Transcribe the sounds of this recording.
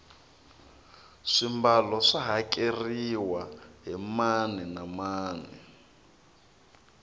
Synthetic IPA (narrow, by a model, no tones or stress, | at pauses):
ʂimbalɔʂaɦakʼeriwaɦimanɛnamaːnɛ